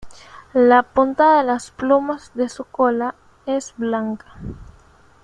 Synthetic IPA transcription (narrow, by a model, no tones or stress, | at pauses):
lapunt̪aðaelasplumazðesukola | ezblaŋkḁ